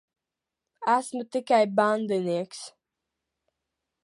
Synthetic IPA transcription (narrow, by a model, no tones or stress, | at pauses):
asmɨt̪ɪkajband̪ɨniəks